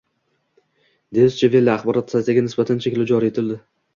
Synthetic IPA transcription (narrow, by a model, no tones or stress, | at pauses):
d̪eɪst͡ʃʰavelːaaχbɒɾɒt̪ːsat̪aɡʲanɪsbat̪ʰant͡ʃʰekʲlad͡ʒɒɾie̞t̪ʰɪld̪ɪ